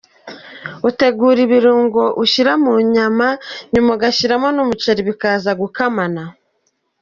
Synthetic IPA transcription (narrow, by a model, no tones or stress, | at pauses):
ute̞ɡuːɾiβiɾuːŋɡo̞ʔuʃiɾamuɲamaɲumoɡaʃiɾamonumut͡ʃeɾiβikaːzaɡukamana